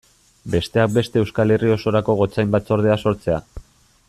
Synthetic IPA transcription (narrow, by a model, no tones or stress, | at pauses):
be̞st̪e̞ak̚be̞st̪e̞ːwskale̞rio̞so̞ɾako̞ɣ̞o̞t͡sajmbat͡so̞ɾð̞e̞aso̞ɾt͡se̞a